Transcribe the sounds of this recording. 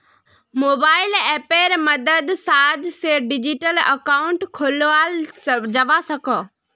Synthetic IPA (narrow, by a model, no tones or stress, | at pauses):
moːbaːɪlɛːpeːɾmɐd̪əd̪saːd̪ʱseɖɪd͡ʑiʈəlɐ̰kaːʊ̃ɳʈkʰolʋald͡ʑɐʋasɐkʰə